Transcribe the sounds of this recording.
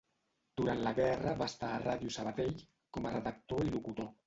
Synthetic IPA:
d̪̥uɾant̪laɣɛrəβast̪aːraðjusəβat̪eʎ | kɔmərəðək̚t̪oilukut̪o

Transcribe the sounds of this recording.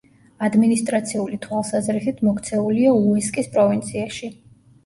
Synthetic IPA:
ad̪minist̪ʼɾat̪sʰiulit̪ʰwalˠsazɾisit̪ʰmɔkʰt̪sʰɛulialˠuiskʼispʼɾɔvint̪sʰiaʃi

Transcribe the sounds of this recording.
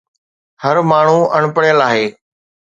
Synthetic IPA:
həɾmaːɳ̤ũɐɽ̃pəɽjəlaːɦeː

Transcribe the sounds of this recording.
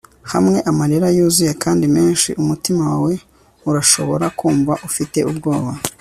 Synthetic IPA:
hamŋe̞ʔamaɾeɾajuːzuje̞kaːndime̞ːnʃḭʔumutimawwe̞ | uɾaʃo̞̰βo̞ɾakuːɱvaʔufite̞ʔubɡo̞ːβa

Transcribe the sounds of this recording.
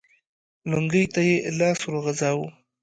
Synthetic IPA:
lʊŋɡəjt̪ajelɑːsuɾoɣazɑːwu

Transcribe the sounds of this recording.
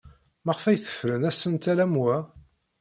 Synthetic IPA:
məʁəfæjθə̥fɾənæsənt̪ælæmwæ

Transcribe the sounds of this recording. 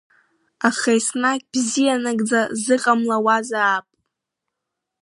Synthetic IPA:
aχajsnakʲʼb̥zijanaɡʼd͡zazɨqʼamlawazaːpʼ

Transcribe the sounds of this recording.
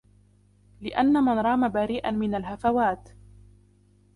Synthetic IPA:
lɪʔanːamanɾˤɑːmabaɾiːʔanmɪnalɦafawaːt̪

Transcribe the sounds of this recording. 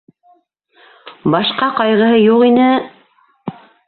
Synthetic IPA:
bɑʃqɑqɑjʁɤ̆ɦɤjuqinɘ

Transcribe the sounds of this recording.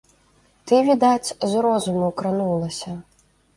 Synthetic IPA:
t̪ɨvʲid̪at͡sʲzɾɔzumuwkɾanulˠɐsʲɐ

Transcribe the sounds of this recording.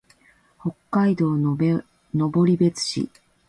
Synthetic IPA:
ho̞kːaid̪o̞ː | no̞bo̞ɾʲibe̞t͡sɨ̥ɕḭ

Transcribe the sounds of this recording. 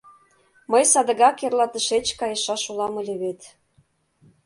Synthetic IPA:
məjsɑd̪ə̆ɣɑkerlɑt̪əʃet͡ɕkɑjə̆ʃɑʃulɑmə̆lʲeβet̪

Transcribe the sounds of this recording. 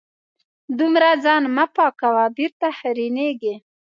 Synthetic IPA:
d̪umɾad͡zɑnmapɑkawabiɾt̪ahaɾineɡe

